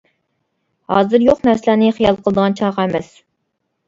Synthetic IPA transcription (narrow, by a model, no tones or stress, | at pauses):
hɑ̰ːzɨɾjoqnæɾsɪlænɨχijɑlˠqʰəlˠd̪əʁɑnt͡ʃʰɑʁɑæmɛs